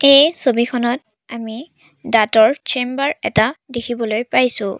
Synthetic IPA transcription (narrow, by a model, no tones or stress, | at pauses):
ejsobixʰɔnɔt | ami | datɔɹt͡ʃembaɹɛ̰tadekʰibɔlojpajsʊ̃